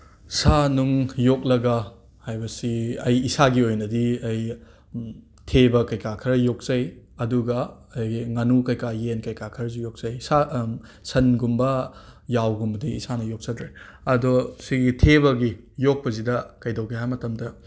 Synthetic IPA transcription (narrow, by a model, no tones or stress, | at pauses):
sanuŋjok̚lɐɡɐ | hajbɐsiɐjisaɡiojnɐdiɐj | tʰebɐkɐjkakʰɐɾɐjok̚t͡ʃɐjɐduɡɐː | jŋanukɐjkajenkɐjkakʰɐɾɐzijok̚sɐjsasɐnɡumbɐjawɡumbɐdiisanɐjok̚sɐdɾeɐdɔsiɡitʰeβɐɡi | jok̚pɐzidɐkɐjdɐwkʰeɦajmɐtɐmdɐ